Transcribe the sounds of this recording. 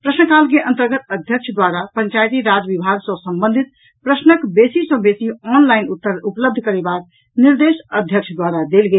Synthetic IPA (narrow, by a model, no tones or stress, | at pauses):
pɾəsnəkalkeʔə̃nt̪əɾɡət̪əd̪ʱjək̚t͡ʃʰd̪waɾapəɲt͡ʃajt̪iɾad͡ʒəbibʱaɡsə̃səmbə̃nd̪ʱit̪ | pɾəsnəkbesisə̃besiɔnlajnut̪ːəupləbd̪ʱəkəɾebak̚ | niɾd̪esəd̪ʱjək̚t͡ʃʰd̪waɾad̪elɡe